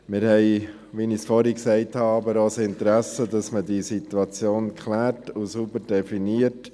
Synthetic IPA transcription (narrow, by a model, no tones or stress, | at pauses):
mɪɾhɛɪ | ʋinisfɔɾiksɛɪthɑɑbəɾosɪntɾæsədɑsmədisit̪uɑt͡sjoːnkχlæːɾtusubəɾdɛfiniət